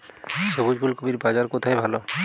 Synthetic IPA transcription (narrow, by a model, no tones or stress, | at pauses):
sobud͡ʒbʱulkobiɾbad͡ʒaɾkot̪ʰajbʱalɔ